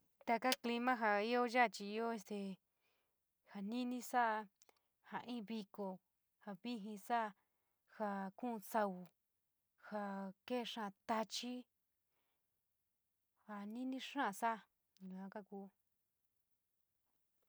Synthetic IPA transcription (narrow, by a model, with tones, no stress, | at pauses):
t̪a˧ka˦kli˧mã˦ɦa˧i˦o˦ʒa˦˨t͡ʃi˧i˧o˦e˧st̪e˧˨ | ha˨nĩ˦nĩ˦sa˦˧ | ha˨ʔĩ˦˧βi˧ko˨ | ha˨βi˦ɦĩ˧sa˦˧ | ha˧kũ˦˧sa˧u˨ | ha˧ke˦˨ʂã˦˨˧t̪a˧t͡ʃi˦ | ha˨nĩ˦nĩ˦ʂã˦˨sa˦˨ | ju˨ã˧ka˦kuː˧˦